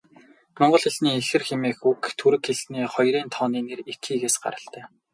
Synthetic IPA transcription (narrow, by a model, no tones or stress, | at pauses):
mɔɴɢɞ̆ɮxĕɮniːexɘ̆rxemeːxukt̪ʰuɾɘ̆kːeɮniːχɔjɾiːnt̪ʰɔːniːnerekʰːiːɣeːsɢa̰ɾə̆ɬt̪æː